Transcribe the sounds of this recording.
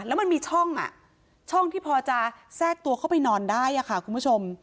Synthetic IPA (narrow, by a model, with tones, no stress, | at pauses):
lɛː˦˥wma˧nmiː˧t͡ɕʰɔ˥˩ŋʔa̰˨˩ʔ | t͡ɕʰɔ˥˩ŋt̪ʰiː˥˩pʰɔː˧t͡ɕa˧sɛː˥˩k̚t̪u˧əkʰa˥˩pa˧jnɔː˧ndaː˥˩jʔa˨˩kʰa˦˥˩kʰu˧npʰu˥˩o˧m